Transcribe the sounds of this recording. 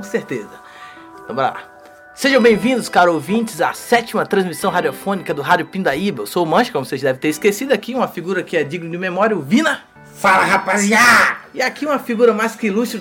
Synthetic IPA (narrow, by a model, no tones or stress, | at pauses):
õseɾt̪ezɐ | ɐ̃mbɾɐ̰a̰ | seʒɐ̃bẽj̃vĩnd̪ʊskaɾowvĩt͡ʃɪza̰sɛt͡ʃimɐt̪ɾɐ̃zmisɐ̃w̃ɦad͡ʒiofõnikɐd̪ʊɦad͡ʒʊpĩd̪ɐibɐewsomɐ̃ʃɪkõmʊseʒɐd̪ɛvɪt̪eɾɪskesid̪ʊakiũmɐfiɡuɾɐkɪɛd͡ʒiɡnʊd͡ʒɪmemɔɾjɐʊvĩnɐ | falɐɦapaziaɪakiũmɐfiɡuɾɐmajskɪilus